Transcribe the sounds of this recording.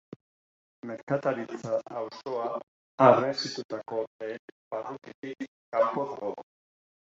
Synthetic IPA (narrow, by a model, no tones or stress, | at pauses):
me̞ɾkat̪aɾit͡saːwsoaː | resit̪ut̪ako̞ebarukit̪i | kapoðo